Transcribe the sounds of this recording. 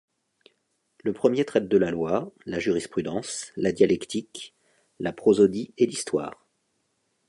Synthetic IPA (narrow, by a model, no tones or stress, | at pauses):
ləpχəmjet̪χɛt̪̚d̪əlalwalaʒyʁispχyd̪ɑ̃slad̪jalɛkt̪ik | lapχozod̪ielist̪wa̰ːʁ